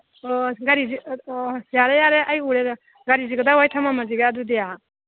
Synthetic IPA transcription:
ɔɡaɾizi | jaɾejaɾeʔajuɾeɾa | ɡaɾiziɡɐdawajtʰamamaziɡaːdudeja

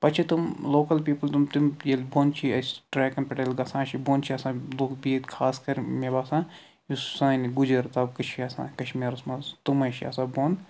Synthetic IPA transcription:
pɐt͡ʃʰit̪umloːkɐlpiːpɐlt̪umt̪umjelboːnt͡ʃʰiɐsʈɾaːjkɐnpɐʈɐlɡɐsãːt͡ʃʰiboːnt͡ʃʰiɐsãːloːkbiet̪kʰaːskɐɾmebaːsãː | jussãːniɡud͡ʒɐɾt̪ɐːbkɐt͡ʃʰiɐsã̰ːkɐʃmiːɾɐsmɐst̪umɐʃia̰ːsãːboːn

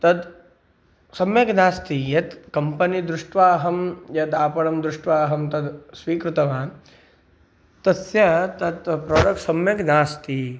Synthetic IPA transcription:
t̪ɐd̪ | sɐmjɐɡnaːst̪ijɐt̪kɐmpɐnid̪ɾʊʂʈʋaːɦɐmjɐt̪aːpɐɽɐmd̪ɾʊʂʈʋaːɦɐmt̪ɐd̪sʋiːkɾɪt̪ɐʋa | t̪ɐsjɐt̪ɐd̪pɾoːɖɐk̚ʈsɐmjɐɡnaːst̪i

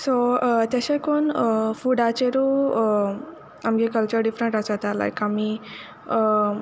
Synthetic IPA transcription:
sot̪jaɕekonfuɖat͡ɕeɾo | amɡekəlt͡ɕəɾɖifɾə̃ɳʈasat̪ala̰jkami

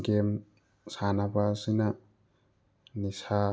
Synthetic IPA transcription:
ɡem | sanabasina | nisa

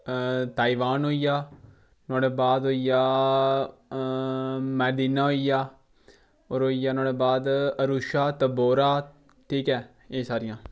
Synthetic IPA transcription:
t̪aːiʋaːnɦoːijaː | naːɽeːbaːd̪ɦoːijaː | mɛːd̪iːnaːɦoːijaː | oːɾɦoːijaːnaːɽeːbaːd̪əɾuːʃaːt̪əboːɾaː | ʈʰiːkɛː | eːsaːɾɪjãː

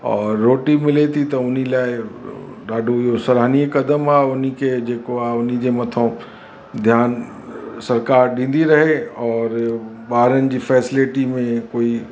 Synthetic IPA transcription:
ɔːɾːoːʈimɪlet̪ʰit̪ɐʊn̤ilaːɪ | ɗaːɖʱoɪɦosɐɾaːnikɐd̪əmaːʊnikʰed͡ʑeːkoaːʊnid͡ʑeːmɐt̪ʰõ | d̪ʱjaːn | sɐɾkaːɾɗĩːn̆d̪iɾɐɦeɔːɾɓaːɦɾənɪ̆d͡ʑiːfɛːsɪlɪʈimẽkoːi

